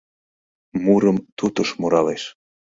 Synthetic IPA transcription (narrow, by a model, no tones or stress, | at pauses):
muɾəmt̪ut̪əʃmoɾɑleʃ